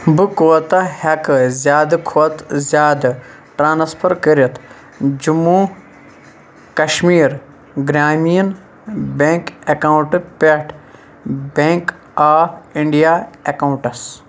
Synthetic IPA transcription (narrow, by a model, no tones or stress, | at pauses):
bɨkot̪ɐhɐkɨzʲjaːd̪ɨkʰoːt̪zʲjaːd̪ɨ | ʈɾaːnspʰɐɾkəɾɐt̪ʰ | d͡ʒumu | kɐʃmiːɾ | ɡɾaːmijɐn | beŋkekawuʈɨpeʈʰ | bẽŋk | aːiɳɖijaːekauɳʈɐs